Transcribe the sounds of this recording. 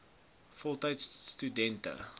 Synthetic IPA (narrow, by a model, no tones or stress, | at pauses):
fɔlˠtajtsstudɛntə̰